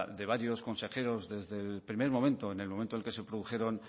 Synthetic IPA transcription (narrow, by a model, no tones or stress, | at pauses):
d̪e̞β̞aɾjo̞sko̞nse̞xe̞ɾo̞zðe̞zðe̞lpɾime̞ɾmo̞mẽnt̪o̞ene̞lmõm̃nt̪olkese̞pɾoðuxe̞ɾo̞n